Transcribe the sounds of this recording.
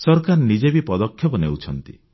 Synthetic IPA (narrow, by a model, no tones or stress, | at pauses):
sɔɾkaɾnid͡ʒebipɔd̪ɔkʰjɔpɔnḛwt͡ʃʰɔnt̪ḭ